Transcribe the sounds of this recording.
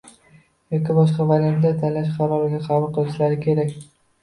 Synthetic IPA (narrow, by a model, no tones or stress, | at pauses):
jɒkʲɪbɒʃqɑvalʲand̪at̪ʰanlaʃ̬qʰɑɾɒɾɪɡ̪ʲaqʰɑvʊlˠqʰɨlˠɪʃlaɾɪkʲʰe̞ɾakʲ